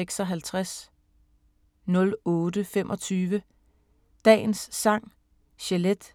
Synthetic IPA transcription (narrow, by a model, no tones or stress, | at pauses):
eɡ̥sɒ̽ɦælt͡sʰʁas | nɔ̽lɔ̽ːd̥əfemʔɒ̽t͡sʰyːʋə | d̥ɛ̰ːn̩sːɑ̈ŋ̰ | ɕeled̥